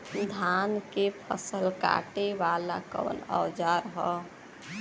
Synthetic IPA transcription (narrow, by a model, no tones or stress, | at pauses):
d̪ʱaːnkepʰə̰səlka̰ːʈeʋaːlã̰kə̰ʋə̰nə̰wd͡ʒaːɾɦɔ